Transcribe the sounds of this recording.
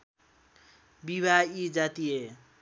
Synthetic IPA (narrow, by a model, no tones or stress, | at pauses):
biβaid͡zat̪ije